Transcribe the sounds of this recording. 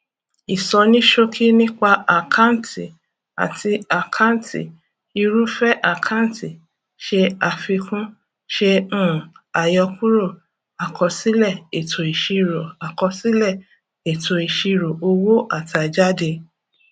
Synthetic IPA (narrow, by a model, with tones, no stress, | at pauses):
i˨sɔ˧nĩ˦ʃo˦kʰi˦nĩ˦k͡pa˧a˨kʰa˦˨n̩˨ti˨ | a̰˨tʰi˧a˨kʰa˦n̩˦tḭ˨ | i˧ɾu˦fɛ˦ʔa˨kʰa˦n̩˦ti˨ | ʃe˧a˨fi˧kũ˦ | ʃẽ˧˦˨a˨jɔ˧ku˦ɾo˦˨ | a˨kɔ˧si˦lɛ˦˨e˨tʰo˨i˨ʃi˧ɾo˨a˨kɔ˧si˦lɛ˦˨ | e˨tʰo˨i˨ʃi˧ɾo˨ʔo˧wo˦ʔa˦˨ta˨d͡ʒa˦de˧